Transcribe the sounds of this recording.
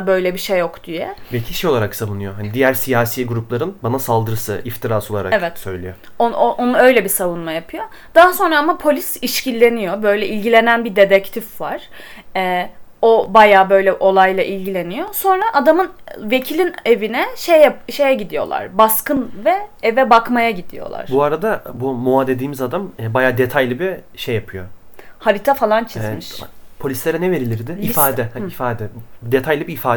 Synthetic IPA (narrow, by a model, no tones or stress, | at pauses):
bø̞jlʲɛbiʃejːokd̪̥ijɛ̰becʰiʃejo̞lˠaɾaksavunɯjoɦanid̪ijæɾsijaːsijɛɡuɾuplˠaɾɯnbanasalˠd̪ɯɾɯsɯ̰ʔift̪ʰiɾaːso̞lˠa̰ɾaɛvɛt̪sø̰jlʲḭjo | ooʔonuø̞jlʲɛbisavunmajapʰɯjo | d̪̥aɦaso̞nɾaamapʰo̞lʲisiʃcilʲːe̞nijo̞bø̞jlʲɛʔilʲɟilʲe̞nænbid̪e̞d̪ɛct̪ʰifvaɾ̥ | ɛobajaːbø̞jlʲɛʔo̞lˠajlˠaʔilʲɟilʲe̞nijo̞so̞nɾaʔad̪amɯnve̞cʰilʲinevinɛʃejʃe̞jɛɟid̪ijo̞̰lˠa̰ɾbaskɯnvɛɛvɛbakmajaɟid̪ḭjo̞̰lˠa̰ɾ̥buaɾad̪abumuaːd̪ed̪iːmizad̪amɛbajaːd̪et̪ʰajlʲibiʃejːapʰɯjohaɾit̪ʰafalˠant͡ʃʰizmiʃpʰo̞lʲislʲeɾɛnɛve̞ɾilʲiɾd̪ɪifaːd̪ɛifaːd̪ɛd̪et̪ʰajlʲibiːfaː